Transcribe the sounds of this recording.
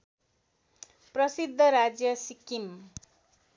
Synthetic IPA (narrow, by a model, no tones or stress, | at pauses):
prʌsid̪ʱːʌɾad͡zjʌsikim